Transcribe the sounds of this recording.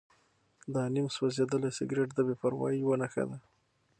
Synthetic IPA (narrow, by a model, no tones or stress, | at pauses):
d̪ɑnimswazed̪əlasɪ̰ɡɾeʈd̪əbepaɾwɑ̰jiwənaxa̰d̪a